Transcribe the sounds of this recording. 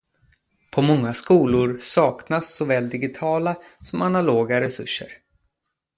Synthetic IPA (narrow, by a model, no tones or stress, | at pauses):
pʰɔmɔŋːaskuːlʊɾsɑːknasːɔvɛːld̪ɪɡɪt̪ʰɑːlasɔmanaloːɡaɾɛsɵʂːə̰ɾ